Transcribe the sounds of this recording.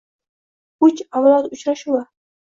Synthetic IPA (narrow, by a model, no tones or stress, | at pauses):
ʊt͡ʃawlˠat̪ʊt͡ʃɾaʃuwa